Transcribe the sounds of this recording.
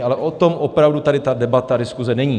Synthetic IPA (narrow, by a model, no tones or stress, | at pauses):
alɛʔot̪o̞mʔopɾavdut̪adɪt̪adɛbat̪adɪskuzɛnɛɲiː